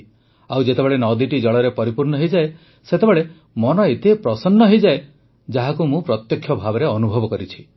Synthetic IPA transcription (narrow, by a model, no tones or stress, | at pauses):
awd͡ʒet̪ebeɭenɔd̪iʈid͡ʒɔɭɔɾepɔɾipuɾɳɔɦejd͡ʒae | set̪ebeɭe | mɔnɔet̪epɾɔsɔnːɔɦejd͡ʒae | d͡ʒaɦakumũpɾɔt̪jɔkʰːjɔbʱabɔɾeɔnubʱɔbɔkɔɾit͡ʃʰi̥